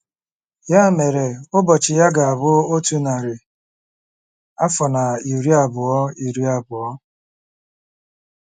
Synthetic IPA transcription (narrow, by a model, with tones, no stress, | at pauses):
ja˦˨me˨ɾe˨ʊ˦bɔ˨t͡ʃɪ˨ja˦ɡa˨a˨bʊ˦o˦tu˦na˨ɾɪ˨ | a˦fɔ˨na˨i˨ɾi˦a˨bʊ˨ɔ˦i˨ɾi˦a˨bʊ˨ɔ˦